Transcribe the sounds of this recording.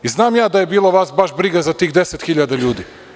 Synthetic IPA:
iznaːmjaːd̪aje̞biːlˠaʋasbaʃbɾiɡazat̪iːxd̪eset̪xiʎad̪aʎuːd̪i

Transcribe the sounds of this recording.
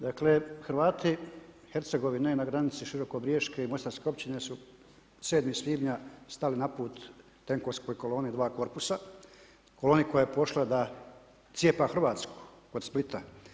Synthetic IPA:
d̪aklexɾʋaːt̪i | he̞ɾt̪se̞ɡo̞ʋinenaɡɾanit̪siʃiɾo̞kobɾijeʃkeimo̞st̪aɾskeo̞pt͡ɕinesu | seːd̪misʋiːbɲast̪alinapuːt̪ː | eŋko̞ʋsko̞jko̞lˠo̞ːnid̪ʋaːko̞ɾpusa | kolo̞ːniko̞jaepo̞ʃlad̪a | t̪sjepaxr̩ʋaːt̪sku̥ | ko̞d̪split̪a

